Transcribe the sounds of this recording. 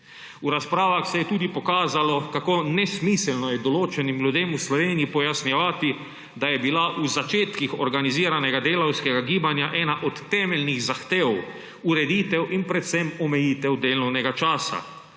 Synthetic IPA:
uɾaspɾaːʋaxsɛjɛt̪uːd̪ipɔkaːzalɔkakoːnɛsmiːsɛlnɔjɛd̪ɔloːt͡ʃɛnimlʲjud̪eːmuslɔʋeːnijipɔjasnɛʋaːt̪i | d̪ajɛbilaʔuzat͡ʃeːt̪kixɔɾɡaniziːɾanɛɡad̪eːlawskɛɡaɡiːbanjaʔɛːnaʔɔt̪ːɛːmɛlniɣzaxt̪eːw | uɾɛd̪iːt̪ɛwʔinpɾɛt̪sɛmɔmɛjiːt̪ɛwd̪eːlnɔwnɛɡat͡ʃaːsa̰

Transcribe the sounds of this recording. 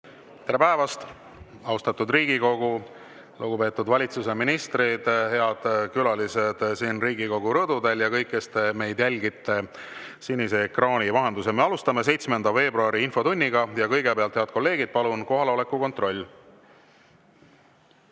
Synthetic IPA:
t̪e̞ɾepæevɑst̪ | ɑwst̪ɑt̪ːˑud̪riːɡiko̞ɡ̥u | luɡupe̞ːt̪ːˑud̪vɑlʲit̪suse̞minist̪rid̪he̞ɑd̪̥kylɑlise̞d̪̥siːnriːɡiko̞ɡuɾɤd̪ud̪e̞ljɑkɤjkːest̪eme̞jd̪jælʲɡit̪ːˑe̞sinʲːise̞krɑːnʲivɑɦe̞nd̪usemeɑlust̪ɑme̞se̞jt̪smend̪̥ɑve̞ːbɾuɑɾiinfo̞t̪unʲːiɡɑjɑkɤjɡ̥epeɑlt̪heɑd̪̚ko̞lːe̞ːɡ̥id̪̥̚pɑlunko̞ɦɑlo̞le̞kːˑuko̞nt̪ro̞lʲː

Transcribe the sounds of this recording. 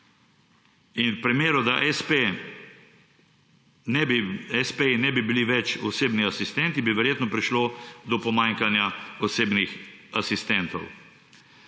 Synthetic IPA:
inpɾimeːɾɔd̪aʔɛspe | nɛɛspenɛbibiliʋɛt͡ʃɔseːbniasist̪ɛnt̪ibiʋɛɾjeːt̪nɔpɾiʃlod̪ɔpɔmaːŋkanjaɔseːbnixasist̪ɛnt̪ɔ̰w

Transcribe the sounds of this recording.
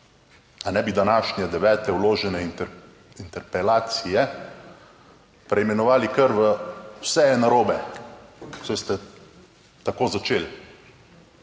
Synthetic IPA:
anɛbid̪anaːʃnɛd̪ɛʋɛːt̪ɛwloːʒɛnɛ | int̪ɛɾpɛlaːt̪sijɛ | pɾɛjmɛnɔʋaːlikəɾʋəwsɛjɛnaɾoːbɛ | ksɔjst̪ɛ | t̪akoːzat͡ʃeːl

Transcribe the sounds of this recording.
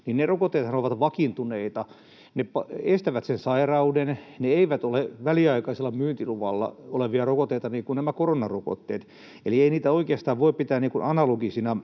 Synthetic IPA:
ninnerokot̪ːeːt̪sɑnoʋɑt̪ʋɑkint̪uneit̪ɑ | nepɑest̪æʋæt̪sensɑirɑudenneeiʋæt̪oleʋæliɑikɑiselːɑmyːnt̪iluʋɑ̰lːɑ̰oleʋiɑrokot̪ːˑeit̪ɑniːkunnæmækoronɑroko̰t̪ːeːt̪ | elieiniːt̪æoikeɑst̪ɑːʋʋoipit̪æːnniːŋkunɑnɑloɡisinɑ

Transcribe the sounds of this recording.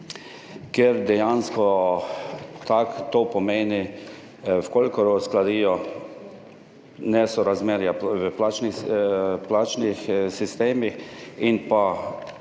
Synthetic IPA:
kɛɾd̪ɛjanskɔ | t̪akt̪oːpɔmeːni | wkolkɔɾɔsklad̪iːjɔ | nɛsɔɾazmeːɾjaʋəplaːt͡ʃni | plaːt͡ʃnixsist̪eːmixinpa

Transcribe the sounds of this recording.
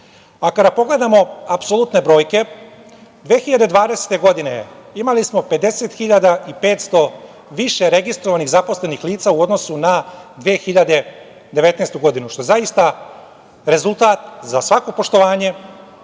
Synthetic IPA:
akad̪apo̞ɡle̞d̪amo̞apsolut̪ne̞bɾo̞ːjke̞ | d̪ʋeːxiʎad̪e̞d̪ʋaːd̪ese̥t̪e̞ɡo̞d̪ineimalismo̞pe̞d̪e̞se̞t̪xiʎad̪aipeːt̪st̪o̞ | ʋiʃe̞ɾe̞ɡist̪ɾoʋaniɣzapo̞sle̞nixliːt̪sauo̞d̪no̞sunad̪ʋeːxiʎad̪e̞ | d̪eʋe̞t̪neːst̪uɡo̞d̪inuʃt̪o̞jzaist̪a | ɾe̞zulˠt̪aːt̪zasʋako̞po̞ʃt̪o̞ʋaːɲe̞

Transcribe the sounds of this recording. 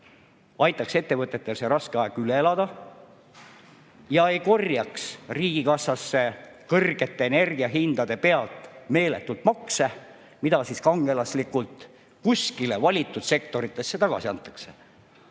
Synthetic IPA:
ɑjt̪ːˑɑkse̞t̪ːe̞vɤt̪ːˑe̞t̪ːe̞lse̞ɾɑskeɑeɡ̥yleelɑd̪̥ɑ | jɑe̞jko̞rjɑksriːɡ̥ikɑsɑsːe̞kɤrɡ̥e̞t̪ˑːe̞ːne̞rɡ̥iɑɦind̪̥ɑd̪e̞pe̞ɑlt̪ˑme̞ːle̞̰t̪ːˑult̪mɑkse | mid̪ɑsiskɑŋɡ̥elɑslikːult̪ | kuskile̞vɑlʲit̪ːˑud̪̥se̞kt̪o̞ɾit̪ːˑe̞sːe̞t̪ɑɡ̥ɑ̰siɑnt̪ːˑɑ̥kse

